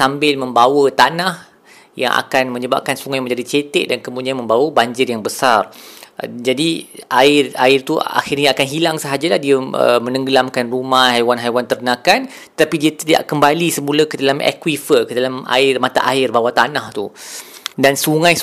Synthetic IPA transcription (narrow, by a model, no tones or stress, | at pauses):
sambɪlmə̃mbawət̪anah | jaŋʔa̰kanmə̃ɲəba̰p̚kansuŋãjmə̃ɲd͡ʒadit͡ʃet̪ɛ̰ʔ̚dankəmudianmə̃mbawəbaɲd͡ʒɪrjaŋbəsar | d͡ʒadiʔaɪraɪrt̪ua̰xirɲaakanɦilaŋsəɦad͡ʒalahdiəə̰mə̃nə̃ŋɡəlamkanrumahhajwanɦajwant̪ərnãkan | t̪ət̪apidiət̪ida̰ʔkəmbalisəmuləkədalamɛ̰kwifəkədalama̰ɪrmãt̪a̰ʔaɪrbawat̪anaht̪u | dansuŋãj